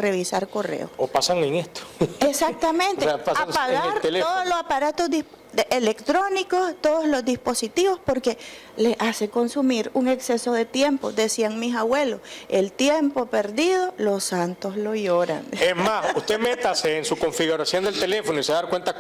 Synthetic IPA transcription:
re̞βisaɾko̞rḛo̰sopasaŋeŋest̪o̥esak̚t̪amẽ̞nt̪eepasaaŋsaɣaeɾt̪eleoðoslosapaɾat̪o̞zd̪isp | ʔelekt̪ɾo̞niko̞st̪oðozlo̞zd̪ispo̞sit̪iβo̞spo̞ɾke̞ | leaseko̞nsumiɾuŋe̞kse̞so̞ðe̞t̪je̞mpo̞d̪e̞siaŋmisaβwe̞lo̞se̞lt̪jempo̞pe̞ɾðið̞o̞lo̞sant̪o̞slo̞ʝoɾa̰ŋesmasust̪emet̪aseːnsuko̞ɱfiɣuɾasjond̪elt̪e̞le̞fonoiseðaɾkwe̞nt̪a

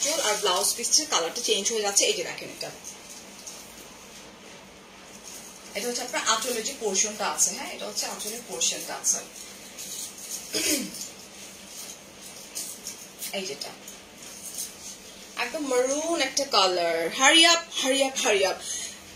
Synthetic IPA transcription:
ʈolaɾblawsbist͡ɕʰekalaɾʈat͡ɕejnd͡ʑɦojed͡ʑatːɕʰeejd͡ʒed̪a̰kʰenɛ̰k̚ʈa | eʈaɦotːʰeapnaaʔaʈʰolod͡ʑipoɾʃonʈaat͡ɕʰeɦɛ̃ḛʈaɦotːɕʰeatʰoloipoɾʃonʈaa̰t͡ɕʰen | ejd͡ʒeʈa̰ | ʔɛ̰k̚d̪omːəɾunɛk̚ʈakalaɾɦaɾiap̚haɾiapɦaɾiap̚

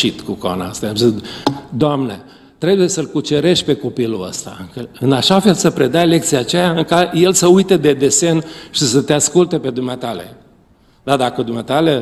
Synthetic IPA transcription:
it̪kuko̰na̰st̪ajazid̪oamnḛ | t̪ɾe̞buje̞səlkut͡ʃe̞ɾe̞ʃt̪̚ʲpe̞ko̞piluə̰st̪a̰kəɨnaʃafe̞lsəpɾe̞d̪ajle̞kt̪sijat͡ʃejaɨŋkaje̞lsəujt̪ed̪e̞d̪e̞se̞nʃisət̪easkult̪epe̞d̪umeat̪ale̞̰ | d̪ad̪akəd̪umeat̪ale

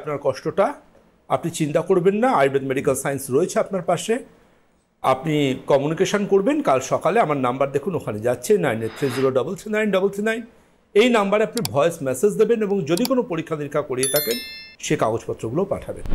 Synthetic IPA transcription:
apnaɾkɔʃʈoʈa | apnit͡ɕint̪akoɾbenːaajbedmeɖikalsajensɾoet͡ɕʰeapnaɾpaʃe | a̰pnikɔmunikeʃonkoɾbenkalʃɔkaleamaɾnambaɾd̪ekʰunokʰaned͡ʑatːʰenajnet̪ʰːɾed͡ʑuɾoɖɔbolt̪ʰinajnɖɔbolt̪ʰinajn | ejnambaɾeapnibʱɔeesmɛsed͡ʑd̪ebeneboŋd͡ʑod̪ikonopoɾikʰːad̪iɾkʰakoɾiet̪ʰakenʃekaɡod͡ʑpɔt̪ːɾoɡulopa̰ʈʰabḛn

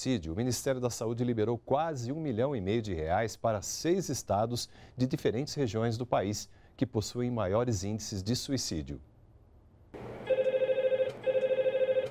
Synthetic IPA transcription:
sid͡ʒʊːmĩnist̪ɛɾjʊd̪ɐsaud͡ʒɪlibeɾowkwazɪũmiʎɐ̃w̃ɪmejʊd͡ʒɪheajspaɾɐsejzɪst̪ad̪ʊzd͡ʒɪd͡ʒifeɾẽnt͡ʃɪ̥sheʒiõj̃zd̪ʊpais | kɪposuẽj̃majɔɾɪzĩnd͡ʒisɪzd͡ʒɪsuisid͡ʒjʊ̰

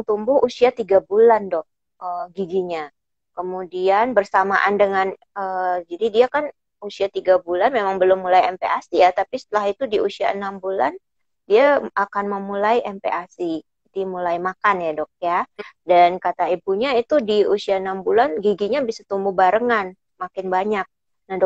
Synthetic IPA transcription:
ŋt̪umbʊhusiat̪iɡabulandɔk̚ | ʔəɡiɡiɲa | kəmudianbərsamaʔandəŋan | əd͡ʒadidiakan | usiat̪iɡabulanmemaŋbəlʊmːulajɛmpeasijat̪apisə̥t̪əlaɦit̪udiusia̰ənambula̰n | diaakanməmulajiʔɛmpḛʔasi | dimulajmakanjadɔk̚jadankat̪aibuɲait̪udiusiaənambulanɡiɡiɲabisat̪umbubaɾəŋan | makɪnbaɲak̚ | nahdɔ

